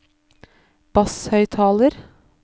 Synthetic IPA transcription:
b̥ɑshœʏt̪ʰɑːləɾ

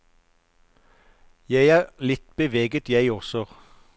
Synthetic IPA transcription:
jæɪæːʁlɪt̪b̥əʋeːɡət̪jæɪɔʁsɔ

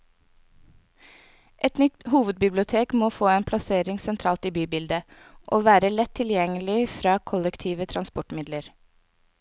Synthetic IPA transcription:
ʔɛt̪nʏt̪huːʋəd̪̚bɪblɪʊt̪ʰeːkmoːfoːeːnpʰlɑseːɾɪŋsɛnt̪ʰɾɑːlt̪iːbyːbɪld̪ə | ʔoːʋæːɾəlɛt̪ʰːɪljɛŋəlɪfɾɑːkʰɔlɛkt̪ʰiːʋət̪ʰɾɑnspɔʈmɪd̪ləɾ

